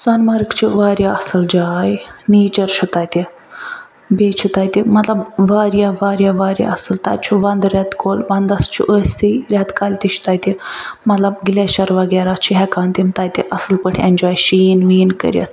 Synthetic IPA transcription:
sanmaɾkt͡ɕʰiʋaɾʲjaɐsəld͡ʑajneːt͡ʃəɾɕut̪ajt̪e | bet͡ʃʰit̪ajt̪imət̪ləbʋaɾjaʋaɾjaʋaɾja̰əsəlt̪a̰jt͡ʃʰiʋãnd̪ɾʲjat̪kolʋãnd̪ast͡ʃʰḭʔəsʲt̪iɾʲjat̪kalʲt̪iʃi̥t̪ajt̪imɐt̪lɐbɡlɛɕaɾʋaɡaɾat͡ʃʰiɦɛkant̪imt̪ajt̪eʔəsəlpəʈʰɛnd͡ʒajɕinʋiːnkə̰ɾjə̰t̪ʰ

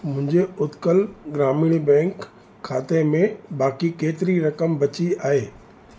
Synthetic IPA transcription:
mʊ̃ɦɪ̃ɲd͡ʑeʊt̪kəlɡɾaːmiːɽ̃bɛ̃ːŋkʰː | aːt̪emẽbaːkikeːt̪ɪɾiɾɐkəmbɐt͡ɕiaːɦeː

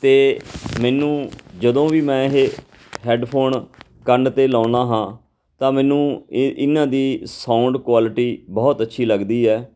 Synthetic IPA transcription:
t̪eːmɛːnũːd͡ʒəd̪õːʋiːmɛ̃ːɪɦeː | ɦɛːɖpʰoːn | kəɳɖt̪eːlãːnãːɦãː | t̪ãːmɛ̃ːnũːʔɪnãːd̪iːsãːʊɳɖkwaːlʈiːbɔːt̪ətːʃʰiːləɡd̪iːɛː

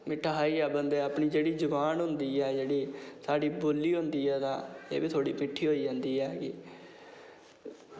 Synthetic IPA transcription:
mɪʈʰːaːɦaːiːɛːbənd̪eːəpɳiːd͡ʒeːɽiːd͡ʒəbaːnɦʊ̃nd̪iːɛːd͡ʒeːɽiːsaːɖiːboːlːiːɦʊ̃nd̪iːɛːt̪ã̰ːḛːbiːt̪ʰoːɽiːmɪʈʰːiːɦoːiːd͡ʒãːnd̪iːɛːɡiː

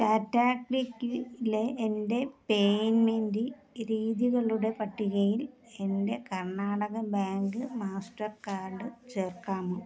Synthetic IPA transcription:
kaːtːaːkikːileʔːnde̞pejnmendiɾiːðjiɣɐɭuɽe̞pɐʈːiɣɐjil | e̞nde̞kɐrɳaːɽɐɣɐbaːŋɡɨmaːsʈɐrkaːrɖɨt͡ɕe̞ːrkaːmɨ

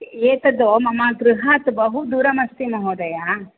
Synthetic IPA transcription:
eːt̪ɐd̪oːmɐmaɡɾuɦaːt̪bɐɦud̪uːɾɐmɐst̪imɐɦoːd̪ɐja

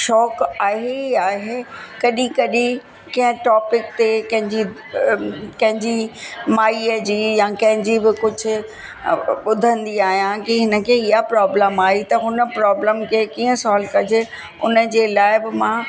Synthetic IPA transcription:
ʃɔːkaːɦeiaːɦekɐɗĩkɐɗĩ | kɐ̃ɦə̃ʈɔːpɪk̚t̪ekɐ̃ɦɪ̃ɲd͡ʑi | kɐ̃ɦɪ̃ɲd͡ʑimaːiəd͡ʑiːjãkɐ̃ɦɪ̃ɲd͡ʑibɪkʊd͡ʑʱʊ̆ | ɓʊd̪ʱə̃nd̪iaːɦijãkiɦɪnə̆kʰeːɪɦapɾɔːbləmaːɦit̪ɐɦʊnə̆pɾɔːbləmkʰeːkiːə̃sɔːlkɐd͡ʑe | ʊ̰nə̆d͡ʑeːlaːɪbɪmã

